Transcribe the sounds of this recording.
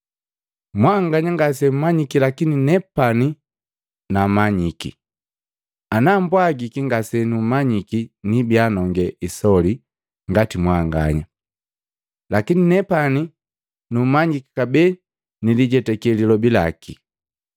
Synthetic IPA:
mwaŋɡaɲaŋɡas̬ɛm̩maɲikilakininɛpani | namaɲikḭ | anambwaɡikiŋɡasɛnumaɲikinibjanɔŋɡɛʔisɔli | ŋɡatimwaŋɡa̰ɲa | lakininɛpani | numaɲiki̥kabɛ | niliɟɛtɛkɛlilɔbila̰kḭ

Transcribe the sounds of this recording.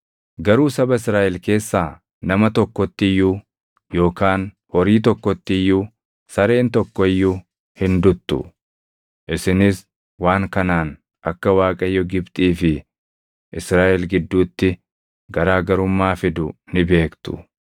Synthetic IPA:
ɡɐɾuːsɐbɐɪsɾaːʔɛlke̞ːsːaː | nɐmɐt̪ɔkːɔt̪ːɪjːʊu | jo̞ːkaːn | hɔɾiːt̪ɔkːɔt̪ːɪɪjːu | sɐɾe̞ːnt̪ɔkːɔɪjːʊ | hɪnd̪ʊt̪ːʊ̰ | ʔɪsɪnɪs | waːŋkɐnaːn | ʔɐkːɐwaːkʼɐjːɔɡɪbt̪ʼiːfɪ | ʔɪsɾaːʔɛlɡɪd̪ːuːt̪ːɪ | ɡɐɾaːɡɐɾʊmːaːfɪd̪ʊnɪbe̞ːkt̪ʊ̰

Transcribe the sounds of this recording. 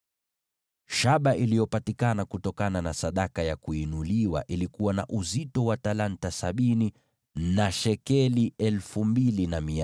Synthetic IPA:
ʃaɓaʔilijɔpatikanakutɔkananasaɗakajakuinuliwa̰ʔilikuwana̰ʔuzitɔwatalantasaɓini | naʃɛkɛliʔɛlfumbilinamia

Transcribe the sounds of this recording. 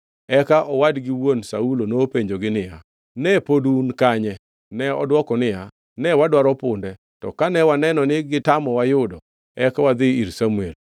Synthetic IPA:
ɛkaʔɔwadɡɪwonsaulonopeɲd͡ʒoɡɪnɪja̰ | nɛpodunkaɲɛ | nɛɔdwɔkɔnɪja | nɛwadwaɾɔpʊndɛ | tɔkanɛwanɛnɔnɪɡɪtamɔwajʊdɔ | ɛkawad̪ɪiɾsamuel

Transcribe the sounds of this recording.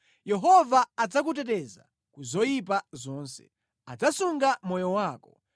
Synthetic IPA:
jɛɦɔvaːd͡zak̬ut̬ɛtɛza̰ | kuzɔjipazɔːnsɛ̥̰ | ad͡zasuŋɡamɔjɔwaːkɔ̥

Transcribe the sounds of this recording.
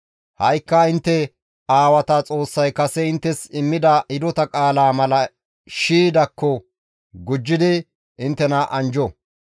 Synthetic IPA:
hɐjkːɐɪnt̪ːɛ | aːwɐt̪ɐt͡sʼo̞ːsːɐjkɐsɛɪnt̪ːɛsɪmːɪd̪ɐʔɪd̪ɔt̪ɐkʼaːlaːmɐlɐ | ʃiːd̪ɐkːɔ | ɡʊd͡ʒːɪd̪ɪ | ɪnt̪ːɛnaʔɐnd͡ʒɔ

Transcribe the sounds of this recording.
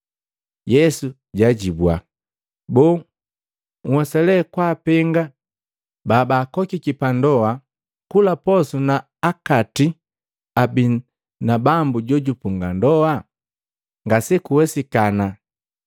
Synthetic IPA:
jɛsu | ɟaɟibwa | bɔː | ŋ̩wɛsɛlɛkwaːpɛŋɡa | baːbaːkɔkikipandɔa | kulapɔsunaː | kati | abi | nabambuɟɔɟupuŋɡandɔa | ŋɡasɛkuwɛsikana

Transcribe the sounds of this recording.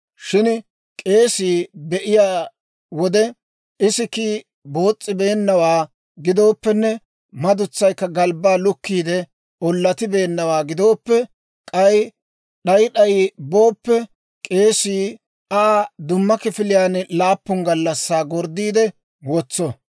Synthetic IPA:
ʃɪn | kʼe̞ːsiːbɛʔɪjaː | wɔd̪ɛ | ɪsɪkiː | bo̞ːt͡sʼːɪbe̞ːnːɐwaː | ɡɪd̪o̞ːpːɛnːɛ | mɐd̪ʊt͡sːɐjkːɐɡɐlbaːlʊkːiːd̪ɛ | ɔlːɐt̪ɪbe̞ːnːɐwaːɡɪd̪o̞ːpːɛ | kʼɐj | ɗɐjɗɐjbo̞ːpːɛ | kʼe̞ːsiː | aːd̪ʊmːɐkɪfɪlɪjaːnlaːpːʊŋɡɐlːɐsːaːɡɔɾd̪iːd̪ɛ | wɔt͡sːɔ

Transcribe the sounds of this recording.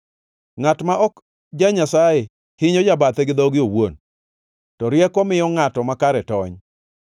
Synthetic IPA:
ŋatmaʔɔk | d͡ʒaɲasajɛ | hɪɲɔd͡ʒabat̪ɛɡɪd̪ɔɡɪowon | tɔɾjɛkɔmɪjɔŋatɔmakaɾɛtɔɲ

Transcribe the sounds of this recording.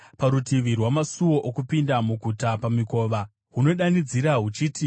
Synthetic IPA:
paɾutiʋirwamasuwo̞ʔokupindamuɡʱutapamiko̞ːʋa | ɦuno̞ɗanid͡ziɾaɦut͡ʃiːti

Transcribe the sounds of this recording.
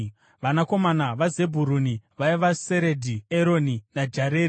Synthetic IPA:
ʋanako̞manaʋaze̞bʱuɾuniʋaiʋaseɾedʱieɾo̞ninad͡ʒaɾeːɾi

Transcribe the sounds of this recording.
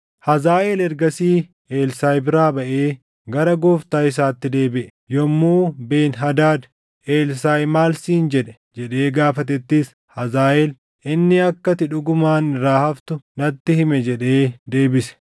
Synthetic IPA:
hɐzaːʔeːlɛɾɡɐsiː | eːlsaːjbɪɾaːbɐʔe̞ː | ɡɐɾɐɡoːft̪aːɪs̬aːt̪ːɪd̪e̞ːbɪʔɛ | jɔmːuːbe̞ːnɦɐd̪aːd̪ | ʔeːlsaːjmaːlsiːnd͡ʒɛᶑɛ̥ | d͡ʒɛᶑe̞ːɡaːfɐt̪ɛt̪ːɪs | hɐzaːʔɛl | ʔɪnːɪɐkːɐt̪ɪᶑʊɡʊmaːnɾaːhɐft̪ʊnɐt̪ːɪhɪmɛd͡ʒɛᶑeːd̪e̞ːbɪsɛ̥

